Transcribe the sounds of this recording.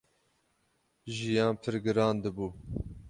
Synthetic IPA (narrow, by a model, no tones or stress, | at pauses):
ʒijɑːnpʰɨɾɡɨɾɑːnd̪ɨbuː